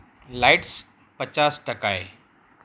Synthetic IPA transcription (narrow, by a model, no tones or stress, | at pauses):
laːɪʈs | pɐt͡ɕaːsʈɐkaːḛː